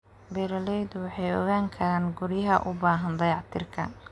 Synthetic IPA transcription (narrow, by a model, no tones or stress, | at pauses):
bɛɾɐlɛjd̪wɑħɑjɔ̰ɣaːŋkʰɐɾaːnɡʊɾjɐɦɐʔʊbaːɦɐnd̪ɐjɑʕt̪ʰɪrkʰɐ